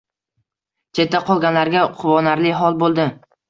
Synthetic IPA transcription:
t͡ʃʰe̞t̪ːaqʰɒlˠɡʲanlaɾɡʲaqʰʊvɒnaɾlɪɦɒlˠbolˠd̪ɪ

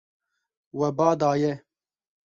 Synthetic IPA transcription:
wɛbɑːd̪ɑːjɛ

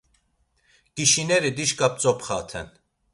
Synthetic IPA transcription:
kiʃinɛɾid̪iʃkʼap̚t͡sɔpχat̪ʰɛ̰n

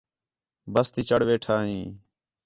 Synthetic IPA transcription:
bəst̪iːt͡ʃəɽʋeːʈʰaːɦĩː

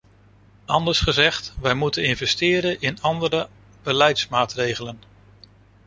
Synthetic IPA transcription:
ɑndəɹsχəzɛχtʋɛjmutənɪnvɛstɪːɾənʔɪnɑndəɾə | b̥əlɛjtsmaːtrejχələn

